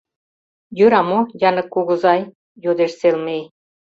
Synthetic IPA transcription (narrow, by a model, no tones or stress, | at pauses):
jøɾɑmojɑnɤ̆kːuɣɤ̆zɑj | jod̪eʃselmej